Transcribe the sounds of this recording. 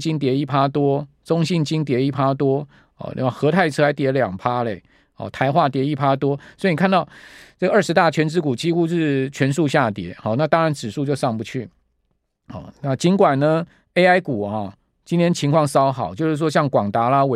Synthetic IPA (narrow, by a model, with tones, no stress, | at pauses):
t͡ɕi˦˥nt̪̬jɛ˧˥i˥˩pʰa˥t̪wɔ˥ | t͡so˦ŋɕi˥˩nt͡ɕi˥nt̪̬jɛ˧˥i˥˩pʰa˥t̪̬wɔ˥ | hɔ̰˨n̰˧˥a˥˩xɤ˧˥t̪ʰa˥˩ɪʈ͡ʂʰɤ˥a˧˥ɪt̪jɛ˧˥ljɑ˨˩ŋpʰa˥le˨ɪ | hɔ̰˨˩t̪ʰa˧˥ɪxwa˥˩t̪̬jɛ˧˥i˥˩pʰa˥t̪wɔ˥swɔ˧˥i˨ni˨˩kʰnt̪ɑ˥˩ʊt͡sɤ˥˩ɡə˩ʔə˞˥˩ʂɻ̩˧˥t̪a˥˩t͡ɕʰɥɛ˧˥nt͡sɻ̩˥ku˨˩t͡ɕi˥xu˦ʂɻ̩˥˩t͡ɕʰɥɛ˧˥nʂu˥˧ɕja˥˩t̪jɛ˨˥xɔ˥˩na˥˨t̪ɑ˥ŋɻa˧˦nʈ͡ʂɻ̩˨˩ʂu˥˧t͡ɕjo˥˧ʊʂɑ˥˩ŋpu˧˦t͡ɕʰy˥˩ | hɔ̰˥˨˩na˥˨t͡ɕi˨˥nkwa˨˩nnə˨˦ | e˥ɪa˥ɪku˨˩xɔ˨˩ | t͡ɕi˥nt̪ʰjɛ˥nt͡ɕʰi˧˥ŋkʰwɑ˥˩ŋsɑ˥ʊxɑ˨˩ʊt͡ɕjo˥˧ʂɻ̩˥˩ʂwɔ˥ɕjɑ˥˩ŋkwɑ˨˩ŋt̪a˧˥la˦we˨˩